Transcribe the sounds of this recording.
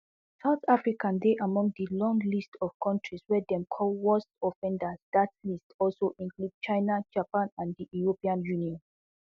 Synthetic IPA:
saʊθafɹikãndeʔamɔ̃ŋdəlɔ̃ŋɡlistɔv̥kʰɔ̃ntʰɹiswɛdɛ̃mkʰɔlwɔstɔfɛ̃ndasdatlistʰɔlsoʔĩŋklud̚t͡ʃãɪnad͡ʒapãnãndiuɹopiãnjuniɔ̃n

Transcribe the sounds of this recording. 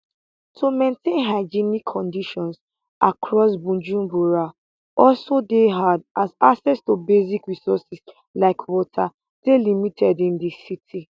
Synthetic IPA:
tʰumẽntʰẽnɦaɪd͡ʒinikʰːɔ̃ndiʃɔ̃ns | ʔakʰɹɔsbũnd͡ʒũmbuɹa | ʔɔlsodeɦadʔazasɛstobezikɹisɔsis | laɪkʰwɔtʰa | delimitʰɛdĩndisitʰi

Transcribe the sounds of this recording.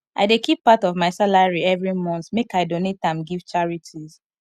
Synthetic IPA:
aɪdekʰipːatɔvmaɪsalaɹiɛvɹimɔ̃nθmekaɪdonet̚ãmɡiv̥t͡ʃaɹitʰiz̥

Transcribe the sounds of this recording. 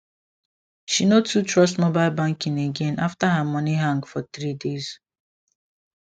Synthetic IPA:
ʃinotʰutɹɔstmobaɪlbãŋkĩneɡɛ̃naftaɦamʌniɦãŋɡfɔθɹidez̥

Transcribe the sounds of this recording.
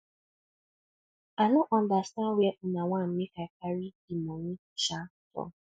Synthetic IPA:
anʊʔɔndastaweʔʊnaŋʷam̩mɪkakaɾi | imɔŋi | t͡ʃatɔ̰

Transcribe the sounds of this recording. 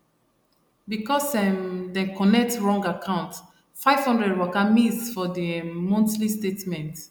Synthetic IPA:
bikɔsɛmdɛkɔnɛk̚tɹɔ̃ŋɡakʰãʊ̃nt | faɪv̥hɔ̃ndɹɛdwɔkamisfɔdəmɔ̃ntlistetmɛ̃nt

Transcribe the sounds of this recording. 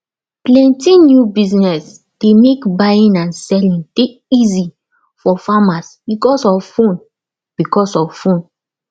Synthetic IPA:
plɛ̃ntĩnjubiznɛs | d̥emekbaĩnãnsɛlĩnteizi | fɔfamasbikɔsɔffõn | b̥ikɔsɔffõn

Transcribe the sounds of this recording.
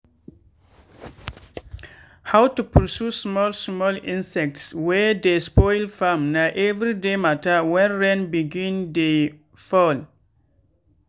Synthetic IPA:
hawtupʰɔsusmɔlsmɔlĩnsɛk̚tswɛdespɔɪlfãmnaʔɛvɹidematəwɛ̃nɹɛ̃nbiɡĩnde | fɔl

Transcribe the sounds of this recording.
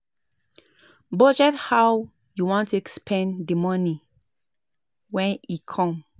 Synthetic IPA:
bɔd͡ʒɛthaw | juwɔ̃ntuɛkspʰɛ̃ndimɔni | wɛ̃nikʰɔ̃m

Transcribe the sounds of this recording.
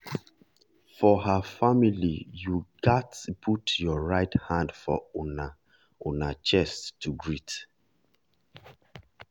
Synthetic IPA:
fɔɦafamilijuɡatpʰutjɔɹaɪthãndfɔ̰na | onat͡ʃɛsttːuɡɹit

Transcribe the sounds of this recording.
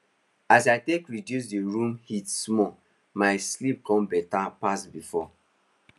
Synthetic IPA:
asaɪtekɹidjus̬deɹũmhitsmɔ | maɪslip̚kɔ̃mbɛtapasbifɔ

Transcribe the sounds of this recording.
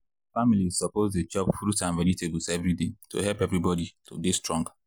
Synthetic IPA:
familiz̥sɔpozded͡ʒɔbfɾutãnvɛniteblsɛvɾideto̰ɦɛlpɛvɾibɔditʰo̰bistɹɔ̃ŋɡa

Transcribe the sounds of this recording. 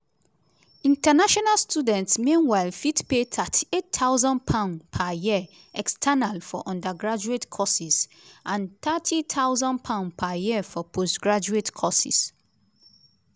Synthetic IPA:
ĩntanaʃɔnalstudɛ̃ntsmĩnwaɪlfitpet̪ʰatʰietʰːaʊzɔ̃npʰãnpʰaji | ɛkstʰanalfɔ̰ʔɔ̃ndəɡɹad͡ʒuetkʰɔsis | ʔãnt̪atʰitʰaʊzɔ̃npʰãʊ̃npʰajifɔpʰosɡɹad͡ʒuetkʰɔsḭs

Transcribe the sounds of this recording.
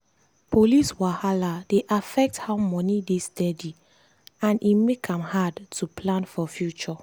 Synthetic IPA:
pʰoliswahaladeʔafɛk̚thaʊmɔnidestɛdi | ãnʔimekʰãmhadtʰupʰlãnfɔfjut͡ʃɔ

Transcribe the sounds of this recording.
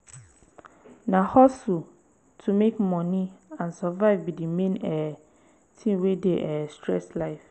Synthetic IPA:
nãhɔsu | tʰumekmɔ̃nĩãnsɔvaɪvbidimẽnɛ | tʰĩwedeʔɛstʰɹɛ̰slaɪf

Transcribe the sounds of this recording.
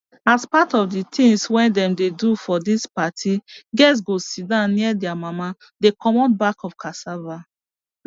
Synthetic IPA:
aspatɔvditʰĩŋswɛ̃ndɛ̃mdedufɔdispatʰiɡɛs̬ɡosidãniɛdɛamama | dekɔmɔn̚bakɔfkʰasava

